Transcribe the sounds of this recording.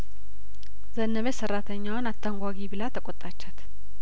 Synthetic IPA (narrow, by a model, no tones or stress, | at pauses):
zənːəβesərːat̪ʰəɲːawnat̪ʰːaŋɡʷaɡibɨlat̪ʰəkʼɔt̪ʼat͡ʃːat̪